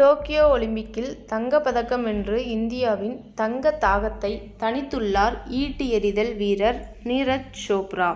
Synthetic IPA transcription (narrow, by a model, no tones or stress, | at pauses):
toːkɪjoːɔɭɪmbɪkːɪlt̪ɐŋɡɐpɐðɐkːɐmɛndrɯɪnd̪ɪjaːʋɪnt̪ɐŋɡɐt̪ːaːɣɐt̪ːɐɪt̪ɐɳɪt̪ːɯɭːaːɾiːʈːɯɛɾɪðɐlʋiːɾɐɾniːɾɐt͡ʃt͡ʃoːpɾaː